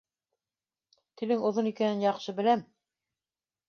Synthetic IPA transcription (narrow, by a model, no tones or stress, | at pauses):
t̪ɘ̆lɘŋŏðonikænɘnjɑqʃɤbɘ̆læm